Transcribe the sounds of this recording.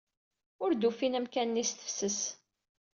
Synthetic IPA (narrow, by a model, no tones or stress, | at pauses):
ʊɾd̪ufinəmkænːist̪ə̥fsəs